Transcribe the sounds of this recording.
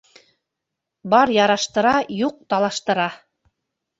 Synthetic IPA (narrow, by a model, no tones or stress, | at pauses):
bɑɾjɑɾɑʃt̪ɤ̆ɾɑjuq̚t̪ɑlˠɑʃt̪ɤ̆ɾɑ